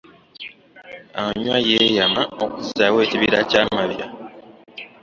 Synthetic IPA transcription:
aɲwajejamaokuziawe̞ːciβiɾacaːmaβja̰

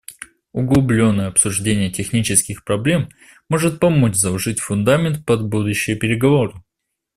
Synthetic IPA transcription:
ʊɡlˠʊblʲo̞nːəjəɐpsʊʐdʲenʲɪjətʲɪxnʲit͡ɕɪskʲɪxpɾɐblʲe̞m | mo̞ʐɨt̪̚pɐmo̞t͡ɕzɐʐɨtʲfʊnd̪amʲɪnt̪pɐd̪bud̪ʊɕːɪjəpʲɪɾʲɪɡɐvo̞ɾɨ

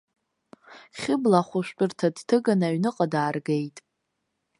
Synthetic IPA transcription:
χʲɪblaχʷʊʃʷᶣtʼʊrtʰadtʰɨɡanaɥnɨqʼadaːrɡe̞jtʼ

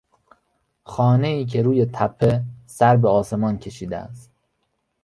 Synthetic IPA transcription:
xɒːne̞iːk̬ʰe̞ɾuːje̞t̪ʰæpʰːe̞sæɾbeɒːse̞mɒːncʰe̞ʃiːd̪ḛæ̰st̪̚

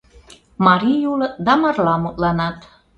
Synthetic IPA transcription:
mɑɾijulɤ̆d̪ɑmɑrlɑmut̪lɑnɑt̪

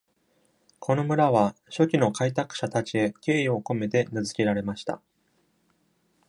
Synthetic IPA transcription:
kʰo̞no̞mɯ̟ɾaβ̞aɕo̞kʲino̞kait̪akɯ̥ɕat̪at͡ɕie̞kʲe̞ːio̞ko̞me̞t̪e̞nɯzɨkʲe̞ɾaɾe̞maɕi̥t̪a̰

